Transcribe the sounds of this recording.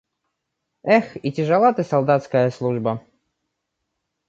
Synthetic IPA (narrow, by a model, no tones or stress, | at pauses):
ɛxitʲɪʐɨlˠat̪ɨsɐlˠd̪at̪skəjəslˠuʐbə